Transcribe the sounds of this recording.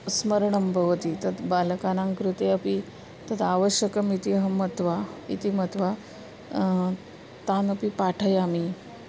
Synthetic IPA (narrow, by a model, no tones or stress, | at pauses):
sməɾɳəmbʱəʋət̪it̪ɐt̪balkanãŋkɾut̪eəpi | t̪ət̪aʋəɕjəkəmit̪iɦəmət̪ʋaḭt̪imət̪ʋa | t̪anəpipaʈʰəjami